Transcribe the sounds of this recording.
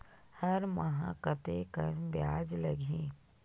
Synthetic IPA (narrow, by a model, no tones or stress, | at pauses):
hɐɾmɐɦã̰kət̪ekɐɾʋjaːd͡ʒlɐɡʱẽː